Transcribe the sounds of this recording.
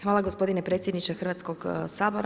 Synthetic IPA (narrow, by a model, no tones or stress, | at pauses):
xʋaːlˠaɡo̞spo̞d̪inepɾe̞ːt̪sʲjed̪nit͡ʃexr̩ʋat̪skoɡsaːboɾ